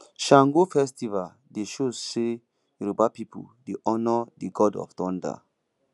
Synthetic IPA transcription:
ʃãŋɡofɛstiva | deʃozse | juɾobapipʰṵdeʔɔnɔdiɡɔdɔ̰fdɔ̃nda̰

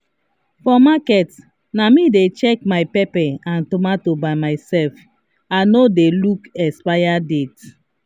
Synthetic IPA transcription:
fɔmakɛt | namidet͡ʃɛkmaɪpɛpɛãntomatobaɪmaɪsɛlf | anodelukɛspajadet

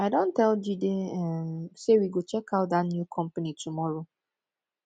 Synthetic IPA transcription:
aɪdõntɛld͡ʒideɛmsewiɡot͡ʃɛkaʊtdatnjukʰɔ̃m̩panitʰumɔɹo

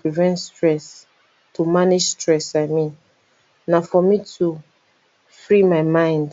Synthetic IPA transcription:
pivɛ̃ntstɹɛs | tumaned͡ʒstɹɛsaɪmĩn | nafɔmitʰu | fɹimaɪmãɪ̃nd

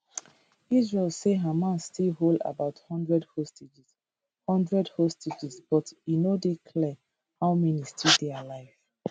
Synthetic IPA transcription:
izɹɛlseɦamãnstʰilɦolda̰baʊthɔ̃ndɹɛdhosted͡ʒis | hɔ̃ndɹɛdhostʰed͡ʒisb̥ɔtinodikʰlɛ | haʊmɛnistʰidɛalaɪv

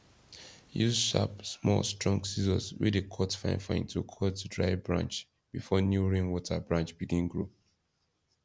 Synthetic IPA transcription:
juzʃa̰psmɔ̰lstɹɔ̃ŋksizɔ̃swḭdekʰɔtfã̰ɪ̃nfãɪ̃ntʰukʰɔdtudɹaɪbɹã̰nt͡ʃ | b̥ifɔnjuɹẽnwɔtʰəbɹãnt͡ʃb̥iɡĩnɡɹu

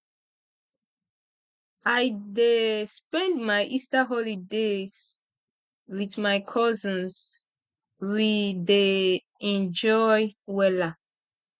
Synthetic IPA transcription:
ajdespɛ̃ndmajʔistaɦɔlidez̥ | wiθmajkʰɔzə̃ns | wide | ɛ̃nd͡ʒɔjwɛla

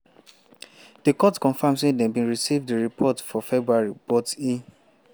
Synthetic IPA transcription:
d̥ekɔtkɔ̃nfãmsẽdɛ̃bĩnɹisivdəɹipʰɔtfɔfɛbɹuaɹibɔte

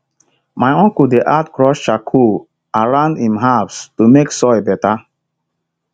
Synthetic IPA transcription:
majɔ̃ŋkudeʔatkɹɔʃʃakʰu | aɹãndĩmɦavstumeksɔjbɛta

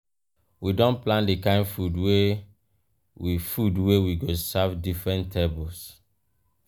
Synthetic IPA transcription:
widɔ̃nplãndekãɪ̃ndfudwe | wifudwewiɡosavdifɹɛ̃ntʰebɔls

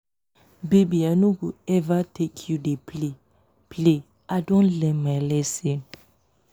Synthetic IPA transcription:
bebianuɡuɛvatʰekʰjudepʰle | ple | adɔ̃nlɛmalɛsẽn

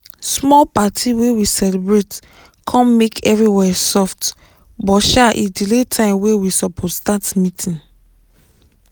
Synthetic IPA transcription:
smɔlpatʰiwewisɛlibɹet | kʰɔ̃nmekʰɛvɹiwɛsɔft | bɔʃaʔidiletʰãɪ̃mwewisɔpʰɔtstatmitʰĩn

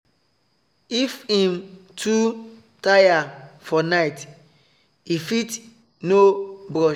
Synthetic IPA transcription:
ifĩmtʰu | tajafɔnaɪt | ifit | nobɾɔ

